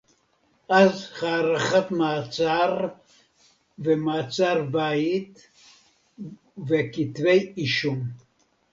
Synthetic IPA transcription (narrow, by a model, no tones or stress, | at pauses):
azχaɾaχat̪mat͡sʼaɾ | vemat͡sʼaɾbait̪ | vekit̪vejiʃum